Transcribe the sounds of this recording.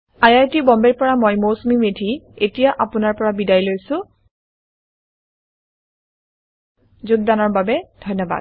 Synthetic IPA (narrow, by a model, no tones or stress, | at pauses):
ajajtibɔmbɛɹpɔɹamojmowsumimedʱietijaʔapʊnaɹpɔɹabidajlojsʊ̃ | zʊɡ̚danɔɹbabɛd̥ʱɔjnːɔba̰d̚